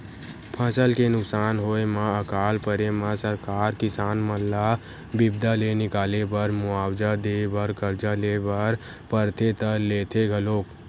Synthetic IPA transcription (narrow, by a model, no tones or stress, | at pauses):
pʰəsəlkenʊksaːnɦoːemaəkaːlpəɾemãsəɾkaːɾkɪsaːnməllːa | bɪbd̪alenɪkaːlebəɾmʊaːwd͡ʒad̪ebəɾkəɾd͡ʒalebəɾ | pəɾt̪ʰet̪əleːt̪ʰeɡʱəloːk